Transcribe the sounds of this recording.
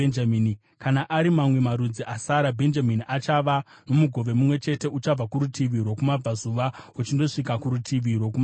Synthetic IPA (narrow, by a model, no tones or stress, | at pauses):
enamini | kanaʔaɾimamwe̞maɾud͡ziʔasaɾabʱe̞nd͡ʒaminiʔat͡ʃaʋa | no̞muɡʱo̞ʋe̞mumwe̞t͡ʃe̞te̞ut͡ʃab͡vakuɾutiʋiɾwo̞kumab͡vazuʋaut͡ʃindo̞ʂikakuɾutʰiʋirwo̞k̬uma